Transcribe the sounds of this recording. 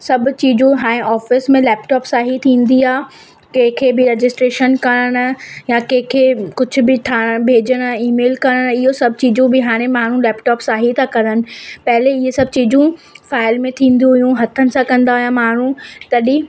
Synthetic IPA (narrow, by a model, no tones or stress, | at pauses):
sɐbʊt͡ɕiːd͡ʑũɦaːɽ̃ẽʔɔːfɪsmẽlɛːpʈɔːpsaːɦit̪ʰĩːn̆d̪iaː | kẽɦkʰebɪɾed͡ʑɪsʈɾeːʃənkɐɾəɽ̃̆jakẽɦɪ̃kʰekʊd͡ʑʱʊ̆bɪt̪ʰaːɽ̃̆bʱeːd͡ʑəɽ̃iːmeːlkɐɾəɽ̃ɪɦosɐbʱt͡ɕiːd͡ʑũbɪɦaːɽ̃ẽmaːɳ̤ũlɛːpʈɔːpsaːɦit̪ʰakɐɾənɪ̆pɐɦleɪɦesɐbt͡ɕiːd͡ʑũfaːɪlmẽt̪ʰĩːnd̪uɦʊjũɦɐt̪ʰənɪ̆sãkɐ̃nd̪aɦʊjãmaːn̤ũt̪ɐɗi